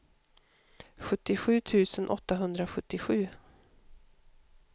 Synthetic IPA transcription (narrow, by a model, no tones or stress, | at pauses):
ɧɵt̪ːɪɧʉ̟ːt̪ʰʉ̟ːsənʔɔ̰t̪ːaɦɵnd̪ɾaɧɵt̪ːɪɧʉ̟ː